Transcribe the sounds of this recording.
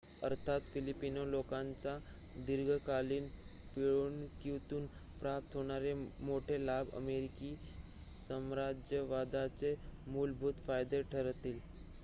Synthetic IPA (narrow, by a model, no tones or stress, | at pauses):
ə̰ɾt̪ʰat̪filipinolokãnt͡sa | d̪iɾɡʱkaliːnpiɭuːnkit̪uːnpɾap̚t̪ɦoɽ̃aɾemoʈʰelabʱə̰meɾiki | səmɾad͡ʑjəʋad̪at͡semulbʱut̪fajd̪eʈʰəɾt̪iːl